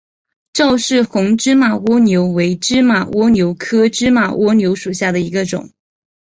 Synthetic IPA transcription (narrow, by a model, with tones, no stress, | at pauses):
ʈ͡ʂɑ˥˧ʊʂɻ̩˥˩xʊ˧˥ŋʈ͡ʂɻ̩˥ma˨˩wɔ˥njo˧˥ʊwe˧˥ɪʈ͡ʂɻ̩˥ma˨˩wʔɔ˥njo˧˥ʊkʰɤ˥ʈ͡ʂɻ̩˥ma˨˩wɔ˥njo˧˥ʊʂu˨˩ɕja˥˩d̪ə˩i˧˥ɡə˧ʈ͡ʂʊ̰˨˩˦ŋ